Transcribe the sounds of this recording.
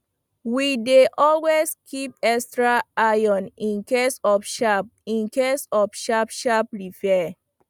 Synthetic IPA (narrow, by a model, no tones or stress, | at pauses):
wideʔɔlweskʰip̚ɛstɹaajɔ̃nĩnkesɔfʃapĩnkesɔfʃapʃapɹifɛ